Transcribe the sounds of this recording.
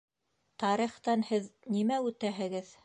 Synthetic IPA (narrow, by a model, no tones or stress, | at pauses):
t̪ɑɾiχt̪ɑnhɘðnimæʉt̪æɦɘ̆ɡɘð